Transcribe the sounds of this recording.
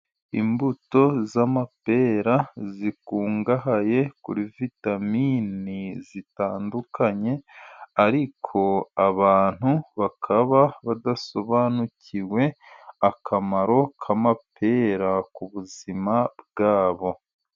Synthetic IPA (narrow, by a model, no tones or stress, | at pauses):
ḭmbuto̞zamape̞ːɾazikuːŋɡaɦaje̞kṵɾivitaminizitaːndukʰaɲe̞aɾikʰo̞aβaːn̥huβakʰaβaβad̪aso̞βaːnuciwe̞ | akamaɾo̞kʰamapʰe̞ːɾakuβuzimab̚ɡaːβo̞